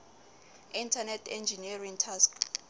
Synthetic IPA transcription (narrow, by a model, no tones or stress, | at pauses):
intʰanɛtʰɛnd͡ʒʱiniariŋtʰask